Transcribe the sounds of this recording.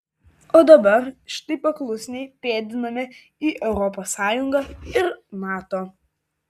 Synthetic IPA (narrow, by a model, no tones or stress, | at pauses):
oːd̪ɐbɐɾʃʲɪ̥t̪ɐɪpɐklˠʊsʲnʲɛɪpʲeːd̪ʲɪnɐmʲɪ | iːʔɛʊɾɔpoːsɑːjʊŋɡɐɪɾnɑːt̪oː